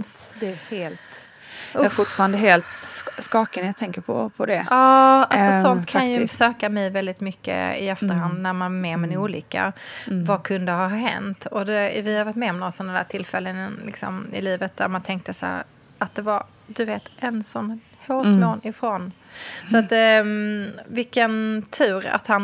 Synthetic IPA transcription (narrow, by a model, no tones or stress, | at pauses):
d̪ɛheːlt̪ː | fʊʈfɑːɾand̪əɦeːlt̪skɑːkənjat̪ʰɛŋkəpʰɔ̰pʰɔd̪ɛʔɑːalsɔssɔnt̪kʰanjəsøːkamɛjvɛld̪ɪt̪mʏkːə̰ɪ̰ɛft̪əɾhand̪næɾmanvaɾmɛmɛnuːliːka̰vakʰɵnd̪əɦaɦɛ̰nt̪ɔd̪ɛvɪhaɾvaʈ̪mɛɔmnɔsɛnad̪æːʈʰɪlfɛlːənlɪksɔ̰mɪ̰liːvət̪̚d̪̥æɾmant̪ʰɛŋk̚t̪əsæ̰ːɾ | at̪̚d̪ɛvaɾ | d̪ɵveːt̪ʔɛnsɔnː | hoːsmoːnɪfɾon | sɔat̪ | vɪkːənt̪ʰʉ̟ːɾa̰t̪han